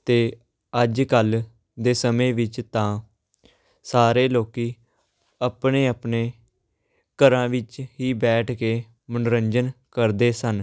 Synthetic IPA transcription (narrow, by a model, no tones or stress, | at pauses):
t̪eː | əd͡ʒkəl | d̪eːsəmẽːʋɪt͡ʃt̪ãː | saːɾeːloːkiː | əpɳeːəpneː | kəɾãːʋɪt͡ʃɦiːbɛːʈʰkeː | mənɾəɲd͡ʒənkəɾd̪eːsən